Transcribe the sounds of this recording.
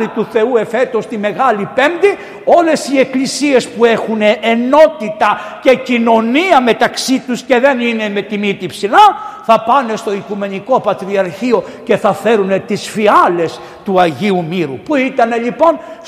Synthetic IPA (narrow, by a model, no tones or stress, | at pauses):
ɾit̪uθe̞ue̞fe̞t̪o̞st̪ime̞ɣɐlipe̞nd̪i | o̞le̞sie̞klisie̞spue̞xuneʔːno̞t̪it̪ɐce̞cino̞niɐme̞t̪ɐksit̪usce̞ðe̞nine̞me̞t̪imit̪ipsilɐθɐpɐne̞st̪o̞ikume̞niko̞pɐt̪ɾiɐɾçio̞ | ce̞θɐfe̞ɾune̞t̪isfiɐle̞s | t̪uɐʝiumiɾṵpuit̪ɐne̞lipo̞n